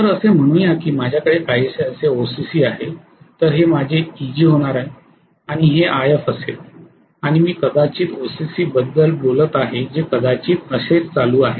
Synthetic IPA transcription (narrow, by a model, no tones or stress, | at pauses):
t̪əɾəsem̤əɽ̃ũːjakiːmad͡ʑʱjakəɽekaɦiːəseəseosisiːaɦe | t̪əɾɦemad͡ʑʱeid͡ʑiːɦoɽ̃aɾaɦe | aɽ̃iɦeʔajəfəset̪̚ | aɽ̃imiːkəd̪at͡ɕiːt̪osisiːbəd̪ːəlbolət̪aɦed͡ʑekəd̪at͡ɕiːt̪əset͡st͡saluːaɦe